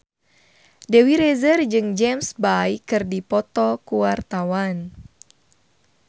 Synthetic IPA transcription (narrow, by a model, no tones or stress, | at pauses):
dɛwiɾɛzərd͡ʒɨŋd͡ʒɛmsbajkɨrdipɔt̪ɔkuwart̪awan